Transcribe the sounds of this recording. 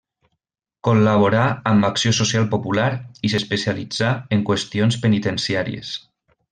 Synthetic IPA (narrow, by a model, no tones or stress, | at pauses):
kollaβoɾaːmbaksjososialˠpopulaɾisespesialid͡zaeŋkwest̪ionspənit̪ensiaɾḭḛs